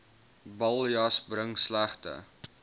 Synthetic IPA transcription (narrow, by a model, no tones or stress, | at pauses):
bɐlˠjɐsbɾəŋslæχtə̰